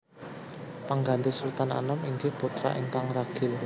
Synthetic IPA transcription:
paŋɡand̪eslut̪ana̰nəmiŋɡɪhput̪ɾa̰ʔint̪aŋɾaɡ̥ɪ̤l

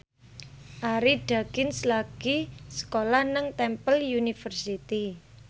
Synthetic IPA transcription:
ʔaɾiɖ̥a̤ɡ̥ɪnslaɡ̥isə̥kolahnəŋt̪ɛmpəljunifərsit̪i

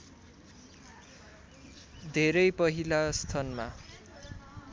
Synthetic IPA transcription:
d̪ʱeɾʌjpʌɦilast̪ʰʌnma

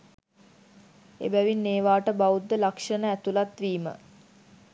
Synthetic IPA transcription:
ḛbæʋinːeːʋaːʈəbaud̪ːəlakʂənəæt̪ulat̪ʋiːmə̰

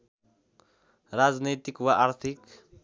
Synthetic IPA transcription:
ɾad͡znejt̪ikwaʔaɾt̪ʰik

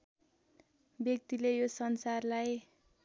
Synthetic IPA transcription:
bjʌk̚t̪ilejosʌnsarlaj

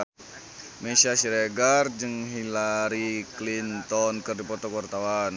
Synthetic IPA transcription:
mesiasiɾeɡard͡ʒɨŋɦilaɾiklint̪ɔnkərdipɔt̪ɔkwart̪awan

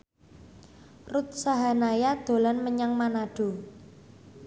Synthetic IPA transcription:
rut̪̚saɦanajad̪̥o̤lanməɲaŋmanaɖ̥o̤

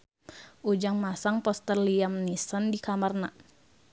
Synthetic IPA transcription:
ʔud͡ʒaŋmasaŋpɔst̪ərliamnisəndikamarna

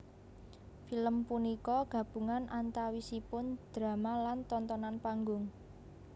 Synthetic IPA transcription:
filəmpunikɔɡ̥a̤b̥ṳŋanʔant̪awisipʊnd̪̥ɾa̤malant̪ɔnt̪ɔnanpaŋɡʊŋ

